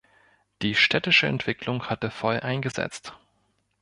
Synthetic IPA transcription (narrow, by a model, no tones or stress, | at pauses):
d̥iːʃtʰɛtɪʃəɛ̰ntv̥ɪklʊŋhatəfɔlʔaɪnɡəzɛ̰t͡st